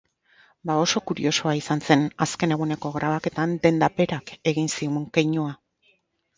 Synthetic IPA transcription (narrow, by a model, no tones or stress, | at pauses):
bao̞so̞kuɾḭo̞so̞aisanse̞naske̞ne̞ɣ̞une̞ko̞ɣɾaβ̞ake̞t̪and̪e̞nd̪ape̞ɾake̞ɣ̞insiuŋkejɲua